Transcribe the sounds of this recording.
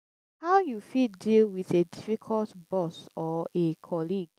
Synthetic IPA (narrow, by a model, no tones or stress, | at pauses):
haʊjufitdilwiðedifikʰɔltbɔsɔekʰɔliɡ